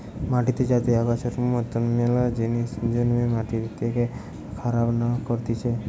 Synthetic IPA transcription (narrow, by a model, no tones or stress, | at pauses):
maʈit̪ʰid͡ʒat̪eaɡat͡ʃʰeɾumət̪əmːelad͡ʒenismd͡ʒənimẽmaʈiɾit̪eke | kʰəɾabnakəɾt̪it͡ʃʰe